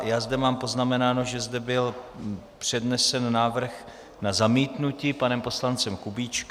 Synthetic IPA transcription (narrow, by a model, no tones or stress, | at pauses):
jaːzdɛmaːmpo̞znamɛnaːno̞ʒɛzdɛbɪlpr̝̥ɛdnɛsɛnːaːvr̩x | nazamiːt̪nucipanɛmpo̞slant͡sɛmkubiːt͡ʃk